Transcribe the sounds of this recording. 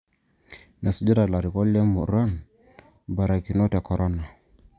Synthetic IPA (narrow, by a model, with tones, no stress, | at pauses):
na˨su˨d͡ʒi˦ɾa˨la˨ɾi˨kɔ˦lɛ˦mu˨ɾa˦n | ba˨ɾa˨ki˨no˦tɛ˨kɔ˨ɾɔ˦na˨